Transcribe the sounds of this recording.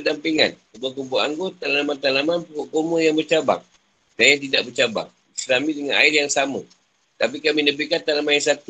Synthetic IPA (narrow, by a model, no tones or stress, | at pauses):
ədampiŋa̰nkəbakubuaʔaŋɡot̪alaamant̪alamanpukoʔkomojaŋbərt͡ʃaba̰ŋ | dajat̪̬idaʔ̚bərt͡ʃaba̰ŋ | əsɾamidəŋana̰ɪrjaŋsamə | t̪ap̬ikaminəbikant̪alamaɪrsat̪u